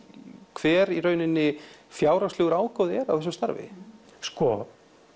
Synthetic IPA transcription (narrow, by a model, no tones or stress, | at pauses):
kʰv̥ɛːɾirœːɥnɪnːɪfjaːwɾast̪lɛːɣʏɾaːwkɔðɪɛɾav̥θɛsʏmst̪a̰ɾvɪ̰ | skɔ